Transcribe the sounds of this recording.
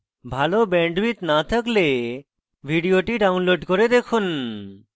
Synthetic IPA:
bʱalobɛɳɖɾit̪nat̪ʰəkle | bʱiɖijoʈiɖawnloɖkɔɾed̪ekʰun

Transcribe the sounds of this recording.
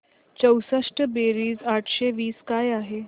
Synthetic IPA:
t͡ɕəwsəʂʈəbeɾiːzaʈʰɕeʋiːskajaɦe

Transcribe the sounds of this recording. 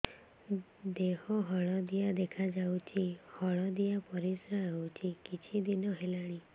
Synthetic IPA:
d̪ehɔɦɔɭ̃ɔd̪ijad̪ekʰad͡ʒawt͡ʃʰihɔɭ̃ɔd̪ijapɔɾisawt͡ʃʰikit͡ʃʰid̪inɔɦelaɽ̃i

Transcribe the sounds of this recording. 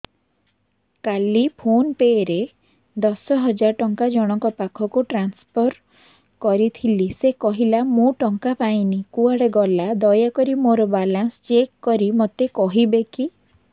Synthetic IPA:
kalipʰonpeɾe | d̪ɔsɔɦɔd͡ʒaɾɔʈɔŋkad͡ʒɔɽ̃ɔŋkɔpakʰɔkuʈɾanspʰɔɾ | kɔɾit̪ʰilisekɔɦilamũʈɔŋkapaĩnikuaɽeɡɔlad̪ɔjakɔɾimoɾɔbalanst͡ʃekːɔɾimot̪ekɔɦibeki

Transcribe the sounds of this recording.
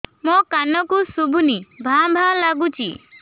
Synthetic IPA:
mɔkanɔkusubʱunibʱãbʱãlaɡut͡ʃʰḭ

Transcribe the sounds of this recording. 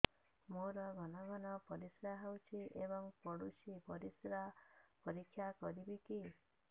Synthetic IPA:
moɾɔɡʱɔnɔɡɔnɔpɔɾisɾaɦawt͡ʃʰiʔebɔŋpɔɽut͡ʃipɔɾisɾapɔɾikʰːjakɔɾibiki

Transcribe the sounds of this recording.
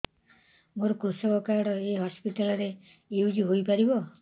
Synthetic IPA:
moɾɔkɾusɔkɔkaɽɔeɦɔspiʈalɔɾe | eud͡ʒiɦojpaɾibɔ

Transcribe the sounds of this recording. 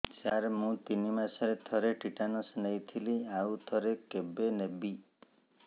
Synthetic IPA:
t͡ʃaɾmũt̪inimasɔɾet̪ʰɔɾeʈʰiʈanɔsnajt̪ʰiliawt̪ʰɔɾekebenebi

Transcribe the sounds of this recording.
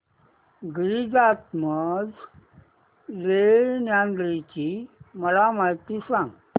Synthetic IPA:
ɡɾid͡zat̪məd͡z | lenjand̪ɾit͡ɕiməlamaɦit̪isãŋɡ

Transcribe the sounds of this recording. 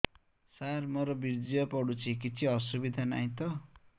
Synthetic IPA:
sarmʌɾʌbiɾd͡zijʌpʌɽut͡sʰikit͡sʰiʌsubid̪ʱana̰j̃t̪ʌ

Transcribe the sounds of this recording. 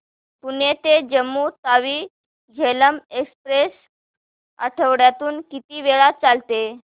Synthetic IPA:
t̪unet̪ed͡ʑəmːuːt̪aʋiː | d͡ʑʱeləmekspɾes | ə̰ʈʰəʋɽjat̪uːnkit̪iːʋeɭat͡salt̪e

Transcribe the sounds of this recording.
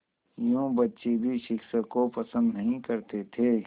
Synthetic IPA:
jõːbɐtːʃebʱiʃɪkʃəkopɐsə̃nd̪nɐɦĩkɐɾt̪et̪ʰeː

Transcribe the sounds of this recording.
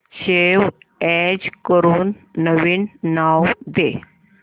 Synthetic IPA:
ɕeʋɛd͡ʑkəɾuːnː | əʋiːnːawd̪e

